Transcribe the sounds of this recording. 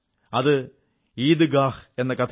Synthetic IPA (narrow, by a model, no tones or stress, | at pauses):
ɐðɨ | iːd̪ɨɡaːhe̞nːɐkɐt̪ʰ